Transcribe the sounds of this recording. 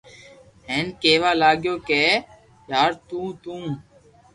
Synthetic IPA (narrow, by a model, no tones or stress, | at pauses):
ɦeːnkeːʋaːlaːɡjoːkeː | jaːɾt̪ũːt̪ũː